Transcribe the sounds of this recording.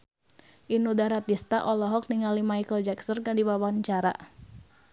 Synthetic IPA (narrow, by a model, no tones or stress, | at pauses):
ʔinudaɾat̪ist̪aʔɔlɔɦɔk̚niŋalimajkəld͡ʒɛksənkadiwawaɲt͡ʃaɾa̰ʔ